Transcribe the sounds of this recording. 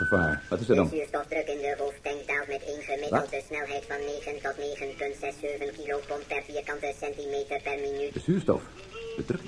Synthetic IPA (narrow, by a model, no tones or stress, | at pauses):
əfaːrʋɑtɪsədɔnsyːrstɔfdrɵkɪndəɦoːftɛŋkdaːlˠtmɛtejnχəmɪdəlˠt̚dəsnɛlˠɦɛjtfɑnːeːχəntɔtneːχənpɵntz̥ɛsːøːvənkilopɔnt̚pɛrfiːrkɑntəsɛntimeːtərpɛrminyd̥əsyːrstɔ̰f | dədrk